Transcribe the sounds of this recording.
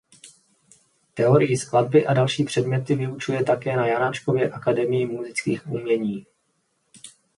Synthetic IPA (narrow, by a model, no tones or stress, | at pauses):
t̪ɛo̞ɾɪjɪsklad̚bɪʔadalʃiːpr̥ɛdmɲɛt̪ɪvɪut͡ʃujɛt̪akɛːnajanaːt͡ʃko̞vjɛʔakadɛmɪjɪmuzɪt͡skiːxʔuːmɲɛɲiː